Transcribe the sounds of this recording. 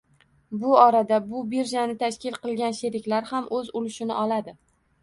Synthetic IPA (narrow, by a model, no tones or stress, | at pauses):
bʊɒɾad̪abʊbeɾʒanɪt̪ʰaʃkʲɪlˠqɨlˠɡʲanʃe̞ɾɪkʲlaɾhamʔɵzʊlɪʃɪnɪʔɒlad̪ɪ